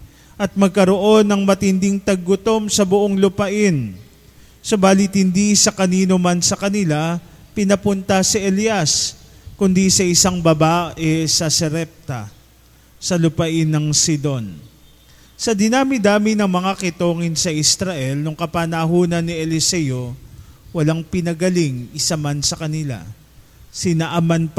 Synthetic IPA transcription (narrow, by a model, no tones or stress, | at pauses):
ʔɐt̪̚mɐɡ̚kɐɾo̞ʔo̞nːɐŋmɐt̪ɪnd̪ɪŋt̪ɐɡ̚ːʊt̪o̞msɐbʊʔoŋlʊpɐʔɪn | sobaːlɪt̪̚hɪnd̪isɐkɐniːnomɐnsɐkɐnɪla | pɪnɐpʊnt̪ɐsiʔɛljaskʊnd̪isɐʔɪsaŋbɐbaːʔɛsɐsɛɾɛp̚t̪ɐ̰ | sɐlʊpɐʔɪnːɐŋsɪd̪o̞n | sɐd̪ɪnaːmɪd̪aːmɪnɐŋmɐŋakɪt̪o̞ːŋɪnsɐʔɪst̪ɾɐʔɛlnʊŋkɐpanɐɦuːnɐnːɪɛlɪsɛjowɐlaŋpɪnɐɡɐlɪŋɪsɐmɐnsɐkɐnɪla̰ | sɪnɐʔamɐnp